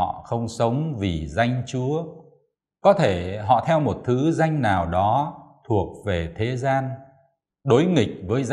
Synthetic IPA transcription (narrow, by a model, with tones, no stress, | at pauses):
ɔ̰˧˨xə˧wŋ͡msə˨˦wŋ͡mvi˨˩za˧jŋ̟t͡ɕu˨˦ə | kɔ˨˦t̪ʰe˧˩ɦɔ̰˧˨t̪ʰɛ˧wmo˨˩t̚t̪ʰɨ˨˦za˧jŋ̟naː˨˩wɗɔ˨˦t̪ʰu˨˩ək̚ve˨˩t̪ʰe˨˦zaː˧n | ɗo˨˦jŋï˨˩k̟̚vəː˨˦jz